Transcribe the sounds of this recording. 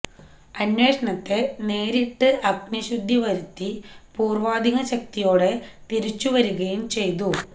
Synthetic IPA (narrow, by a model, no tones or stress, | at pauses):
ɐnwe̞ːʂɐɳɐt̪ːe̞ne̞ːɾiʈːɨʔɐknɐɕud̪ʱːiʋɐɾut̪ːipuːrʋaːd̪ʱiɣɐɕɐk̚t̪ijo̞ːɽe̞t̪iɾit͡ɕːuʋɐɾuɣɐjumt͡ɕe̞jt̪̬u